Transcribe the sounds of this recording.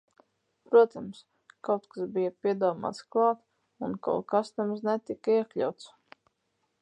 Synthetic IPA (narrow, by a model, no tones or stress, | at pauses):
pɾuɔt̪ams | kawt̪kasbijapʲiɛd̪uɔma̰ːt̪sklˠɑːt̪ | unka̰wkasnɛmznɛt̪ikaiɛklʲa̰wt̪s